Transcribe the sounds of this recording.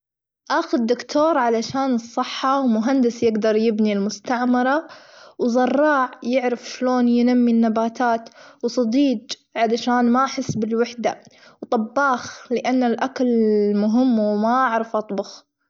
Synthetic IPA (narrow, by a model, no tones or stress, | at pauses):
ʔaːxʊd̪ːʊkt̪ʰoːɾˤʕalaʃaːnɨsˤːɨħːɑwmʊɦand̪ɪsjɪɡd̪ɑɾˤjɪbnilmʊst̪aʕmɑɾˤɑwzˤɑrˤːɑːʕjɪʕɾɪfʃloːnjɪnamːinːabaːt̪ʰaːt̪wsˤɑd̪iːd͡ʒ | ʕalaʃaːnmaħɪsːbɪlwaħd̪a̰wt̪ˤɑbːɑːxlɪʔanːalʔakalmʊɦɪmːwmaʔaʕɾɑfʔɑt̪ˤbʊx